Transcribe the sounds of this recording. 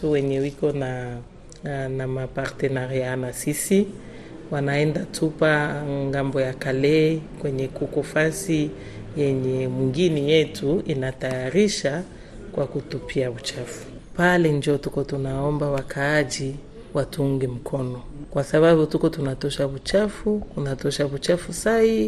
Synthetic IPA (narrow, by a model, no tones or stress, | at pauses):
tuwɛɲɛwikɔna | namapaɾtɛnaɾijanasisi | wanaɛndatʰupaŋɡambɔjakalɛkwɛɲɛkukɔfasi | jɛɲɛmwiŋɡinijɛtʰuinatajaɾiʃa | kwakutupʰiaβut͡ʃafu̥ | palɛnd͡ʒiɔtukɔtunaɔmbawakʰaːd͡ʒi | watuuŋɡɛm̩kʰɔnɔkwasaβaβutukɔtunatɔʃaβut͡ʃafutunatɔʃaβut͡ʃafusai